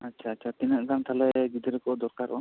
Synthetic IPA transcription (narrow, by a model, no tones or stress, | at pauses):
atːt͡ʃʰaːtːt͡ʃʰat̪inəʔɡant̪ʰalɛɡid̪əɾɛkɔd̪ɔɾkaɾʔɔ̰